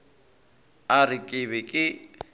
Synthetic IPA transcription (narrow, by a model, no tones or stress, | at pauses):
arɪkʼɪβɛkʼɪ